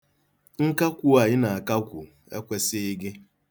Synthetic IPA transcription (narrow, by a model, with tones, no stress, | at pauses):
ŋ̩˦ka˦kʷu˦a˨ɲɪ˦na˨a˨ka˦kʷʊ˨ | ḛ˦kʷe˨sɪ˦ɪ˦ɡɪ˦